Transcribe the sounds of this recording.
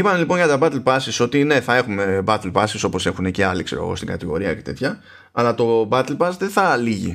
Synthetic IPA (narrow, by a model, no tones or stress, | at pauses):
ipɐmelipo̞nʝɐt̪ɐbɐt̪elpɐsiso̞t̪ine̞θɐe̞xume̞bɐt̪elpɐsiso̞po̞se̞xunece̞ɐlikse̞̰ɾo̞̰ɣo̰st̪iɡɐt̪iɣo̞̰ɾiɐce̞̥t̪e̞t̪çɐ | ɐlɐt̪o̞bɐt̪elpɐsðeθɐliʝḭ